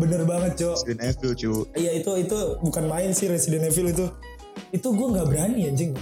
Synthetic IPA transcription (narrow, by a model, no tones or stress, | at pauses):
bənərbaŋət̪̚t͡ʃɔsdɛnefɪlt͡ʃuijait̪uit̪ubukanmaɪnsɪhɾesidɛnefɪlit̪̬u | it̪uɡuɛŋɡaʔbəɾanijaɲd͡ʒɪŋ